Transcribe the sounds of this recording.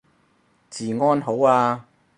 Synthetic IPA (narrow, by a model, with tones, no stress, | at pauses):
t͡siː˨˩ŋɔː˥nɦo˨˥waː˧